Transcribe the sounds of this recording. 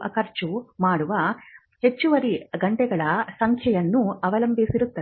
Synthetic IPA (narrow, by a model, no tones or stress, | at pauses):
ɐ̰kɐɾt͡ʃumaːɽuʋɐ | he̞t͡ʃːuʋɐɾiɡɐɳʈɛɡɐɭɐsɐŋkʰjɐjɐnːuɐʋɐlɐmbʱisiɾut̪ːɐ